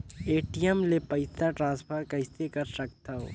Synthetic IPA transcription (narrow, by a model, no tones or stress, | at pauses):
eːʈijemlepɐɪsaʈɾãːspʰəɾkɐɪst̪ekɐɾsɐk̚t̪aɦo̰ː